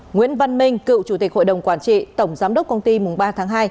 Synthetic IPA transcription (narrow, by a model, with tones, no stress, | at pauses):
ŋwḭ˧˥ənva˧nmï˧ŋ̟kɨ̰˧˨wt͡ɕu˧˩t̪i˨˩ho̰˧˨jɗə˨˩wŋ͡mkwaː˧˩nt͡ɕḭ˧˨t̪ə˧˩wŋ͡mzaː˨˦mɗə˦˥k͡p̚kə˧wŋ͡mt̪i˧mʊ˨˩ŋ͡mɓaː˧t̪ʰaː˨˦ŋɦaː˧j